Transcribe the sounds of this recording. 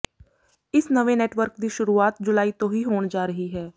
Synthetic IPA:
ɪsnəʋẽneːʈʋəɾkd̪iːʃʊɾuːaːt̪d͡ʒʊlaːiːt̪õːɦiːɦoːɳd͡ʒaːɾəɦiɦɛː

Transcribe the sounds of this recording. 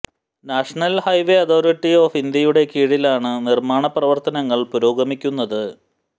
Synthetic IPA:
naːʂɐɳɐlhɐjʋeɐt̪ʰo̞ːɾiʈːio̞ːfind̪jɐjuɽe̞kiːɻilaːɳɨnirmaːɳɐprɐʋɐrt̪ɐnɐŋːɐɭpuɾoːɡɐmikʲːunːɐðɨ

